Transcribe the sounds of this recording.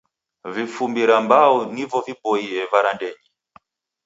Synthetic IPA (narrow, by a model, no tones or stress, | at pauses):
vifumbiɾambaunivɔvipɔiɛvaɾandɛɲi